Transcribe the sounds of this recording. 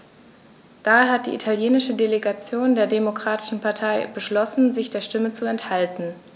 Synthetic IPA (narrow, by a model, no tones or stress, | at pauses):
d̥aːhat̚d̥ḭʔitʰaljeːnɪʃədeleɡat͡sjoːndeːɐdemokʁ̥aːtɪ̥ʃn̩pʰaɐtʰaɪb̥əʃlɔsn̩zɪçd̥eːɐʃtɪmət͡suɛnthaltn̩